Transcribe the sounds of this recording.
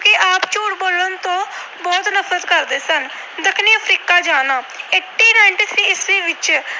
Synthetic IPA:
okɪʔaːpt͡ʃoːʈboːlənt̪õː | bɔːt̪nəpʰɾət̪kəɾd̪eːsən | d̪ɪkʰniːəpʰɾiːkaːd͡ʒaːnaː | eːʈːiːnaːɪɳʈiːt̪ʰɾiːɪsɾiːʋɪt͡ʃ

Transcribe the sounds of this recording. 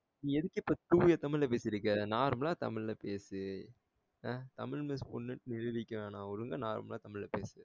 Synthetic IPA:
nĩɛðɯkːɪpːoːt̪uːjɐt̪ɐmɪɻlɐpeːsɪɾɯk̬ːɐnaːɾmlaːt̪ɐ̰mɪɻlɐpeːsɯ | aːt̪ɐmɪɻmɪspɔnːɯnɪɻɯʋɪkʲːɐʋãːnaːɔɾɯŋɡɐnaːɾ̰mlãːt̪ɐmɪɻlɐpḛːsɯ

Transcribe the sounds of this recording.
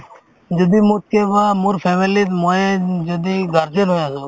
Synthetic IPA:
d͡ʒəd̪iːmʊt̪̚keːʋaːmuːɾpʰɛːmiːliːt̪moːed͡ʒəd̪iːɡaɾd͡ʒənɦoːjaːsoː

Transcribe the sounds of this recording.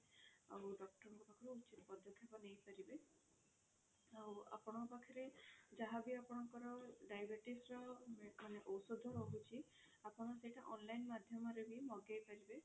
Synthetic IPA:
a̰uɖɔk̚ʈɔɾɔŋkɔpakʰɔɾuut͡ʃit̪ɔpɔd̪ʱɔkʰːjɔpɔnejpaɾibe | awa̰pɔɽ̃ɔpakʰɔɾed͡ʒaɦabiapɔɽ̃ɔŋkɔɾɔɖajbeɾʈisɾɔmeaneʔowsud̪ʱːɔɦɔbut͡ʃʰi | apɔɽ̃ɔsejʈaʔɔnlajnmad̪ʱjɔmɔɾebimɔɡejpaɾibe

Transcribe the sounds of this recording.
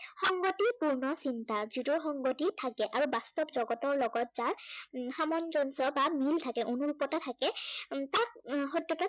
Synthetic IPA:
xɔŋɡotipuɹnɔsintazutɔxɔŋɡotitʰakɛʔaɹubastɔpzɔɡɔtɔɹlɔɡɔt̚zaɹxamɔnzɔnsɔbamiltʰakɛʔonuɹupɔtatʰakɛtat̚xɔdjɔta

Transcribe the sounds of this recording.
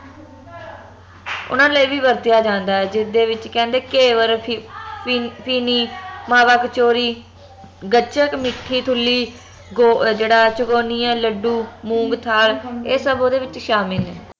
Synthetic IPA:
ʊ̰nãːləiʋiːbəɾt̪ɪjaːd͡ʒãːnd̪aːɦɛːd͡ʒɪd̪eːʋɪt͡ʃkɛ̃ːnd̪eːkeːʋəɾ | pʰiːniːmãːbaːkt͡ʃoːɾiː | ɡət͡ʃəkmɪʈʰːiːt̪ʰʊlːiː | ɡoːd͡ʒeːɽaːt͡ʃʊkoːniːɛːləɖuːmũːɡt̪ʰaːleːsəboːd̪eːʋɪt͡ʃʃaːmɪlɛː

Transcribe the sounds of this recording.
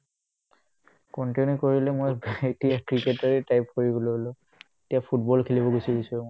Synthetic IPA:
kɔntinikoɹilɛmojetijakɹiketaɹitajpkoɹiɡololʊ | etijapʰutbɔlkʰilibɔɡojsibisɔjmo

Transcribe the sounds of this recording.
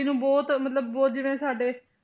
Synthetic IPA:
nũːbɔːt̪mət̪ləbːɔːt̪̚d͡ʒɪʋẽːsaːɖeː

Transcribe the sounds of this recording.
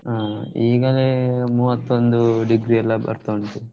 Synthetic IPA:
aiːɡɐlemuːʋɐt̪ːond̪uɖiɡɾiɛlːɐbɐ̰ɾt̪oɳʈ̪u

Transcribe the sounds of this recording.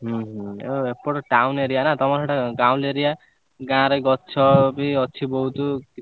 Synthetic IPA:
ɦũɦepoʈʈawneɾijanat̪ɔmaaʈaɡaw̃leɾija | ɡãɾʌjɡɔt̪ːt͡ʃʰɔbiɔt͡ʃʰibɔɦut̪u

